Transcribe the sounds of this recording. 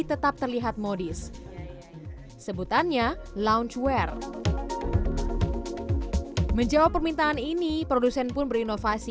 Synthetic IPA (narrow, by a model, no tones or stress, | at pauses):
t̪ət̪ap̚t̪ərliɦat̪̚modis | səbut̪anɲalaunt͡ʃwɛr | məɲd͡ʒawapərmint̪aaninipɾodusɛnpʊnbəɾinofasi